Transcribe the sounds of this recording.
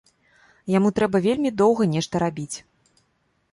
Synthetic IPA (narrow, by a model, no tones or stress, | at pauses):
jamut̪ɾɛbɐvʲelʲmʲid̪ɔwɣɐnʲɛʂt̪ɐɾabʲit͡sʲ